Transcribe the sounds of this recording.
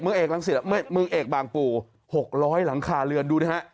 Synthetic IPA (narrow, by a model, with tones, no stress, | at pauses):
k̚mɯ˧ŋʔeː˨˩k̚la˨˦ŋsi˨˩a˧˩mɯ˧mɯ˧ŋʔeː˨˩k̚baː˨˩ŋpuː˨˩ | ho˨˩k̚ɾɔː˦˥jla˩˦ŋkʰaː˧lɯ˧ənduː˧a˦˥˩ha˦˥ʔ